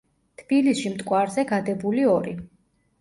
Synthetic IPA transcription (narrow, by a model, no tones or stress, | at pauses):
t̪ʰb̥ilisʃimt̪ʼkʼwaɾzɛɡad̪ɛbuliɔɾi